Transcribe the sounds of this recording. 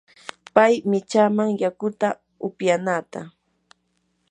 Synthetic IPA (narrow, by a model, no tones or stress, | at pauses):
pajmɪt͡ʃaːmaŋjakʊt̪a | ʊpjanaːt̪a